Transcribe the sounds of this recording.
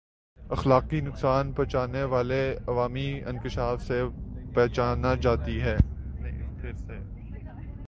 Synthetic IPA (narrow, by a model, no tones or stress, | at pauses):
ɐxlaːqinʊksaːnpɛt͡ʃaːneʋaːleɐʋaːmiɪ̰̃ŋkɪʃaːfsepɛːt͡ʃaːnad͡ʒaːt̪iɦɛː | pʰɪɾseː